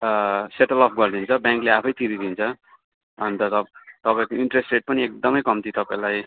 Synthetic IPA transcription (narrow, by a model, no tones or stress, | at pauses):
seʈʌlʌpʰɡʌrd̪ʱint͡sʰʌbjaŋkleapʰʌjt̪ibid̪ʱint͡sʰʌ | ʌnt̪ʌt̪ʌt̪ʌpaẽkoiɳʈresʈreʈ̚pʌniek̚d̪ʌmʌjkʌmt̪it̪ʌpaẽlaj